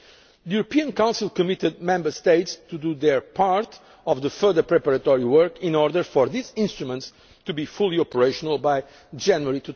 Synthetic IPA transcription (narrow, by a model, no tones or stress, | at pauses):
ðəjuɾəpiə̃nkãw̃nsilˠkɔmit̪ɨd̪̚mɛ̃mbə˞st̪eɪtst̪ud̪uðɛɹpʰaɹt̪ | ɔvðəfɜðəpɹɛpaɾət̪ɔɹiwɜɹkĩnɔɹd̪əɾfɔɹðizĩnst̪ɾumə̃nt̪s | t̪ubifulˠiɔpəɹeɪʃɔnəlˠbaj | d͡ʒɛnjuəɹit̪u